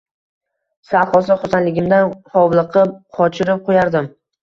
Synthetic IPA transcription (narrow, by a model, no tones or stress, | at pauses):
saχɒsɪχʊsanlɪɡʲɪmd̪anχɒwlˠɨqʰɨp̚qʰɒt͡ʃʰɪɾɪp̚qʰojaɾd̪ɪm